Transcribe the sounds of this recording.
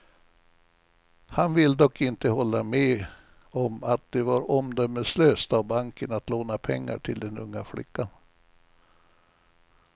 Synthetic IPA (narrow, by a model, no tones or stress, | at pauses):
hanvɪlːd̪ɔkːɪnt̪əhɔlːamɛː | ɔmat̪̚d̪ɛvaɾɔmd̪œmːəsløːst̪avbaŋkənat̪loːnapʰɛŋːa̰ʈʰɪld̪ɛnɵŋːaflɪ̰kːan